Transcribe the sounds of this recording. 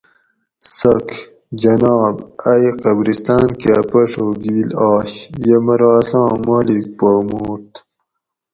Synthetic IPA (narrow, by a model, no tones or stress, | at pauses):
sɐk | d͡ʑɐnɑːbɐjqɐbɾist̪aːnkapɐʂoɡiːlɑːɕjɐmɐɾɑːsɑ̃ːmaːlik̚poːmuːt̪